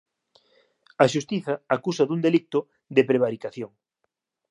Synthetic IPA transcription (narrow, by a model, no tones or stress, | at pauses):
ɐʃust̪iθɐakusɐðuŋd̪elit̪ʊ | ðepɾeβ̞aɾikaθjoŋ